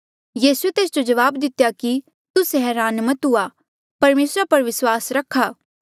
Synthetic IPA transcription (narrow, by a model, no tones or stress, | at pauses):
jiːsuet̪eːsd͡ʒod͡ʒɐʋaːbd̪ɪt̪jaki | t̪ʊsɦɛːɾaːnmɐt̪ɦʊa | pɐɾmeːsɾapɐɾʋɪswaːsɾɐkʰːaː